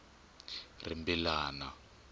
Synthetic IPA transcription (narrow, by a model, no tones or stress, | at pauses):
rḭmbilaːna